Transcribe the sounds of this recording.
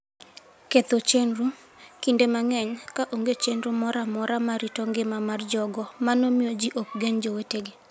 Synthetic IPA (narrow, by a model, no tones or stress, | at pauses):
ket̪ot͡ʃenru | kindemaŋɛɲkaʔoŋɡet͡ʃenɾumɔɾamɔɾamaɾitɔŋɡɪmamard͡ʒɔɡɔmanomiod͡ʒiʔok̚ɡeɲd͡ʒoweteɡe